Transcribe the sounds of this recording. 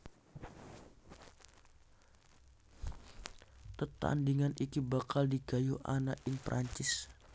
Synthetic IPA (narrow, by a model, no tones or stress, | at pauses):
t̪ət̪a̰ndiŋanʔikibakaldiɡajuʔa̰naʔɪnpɾʔaɲt͡ʃɪs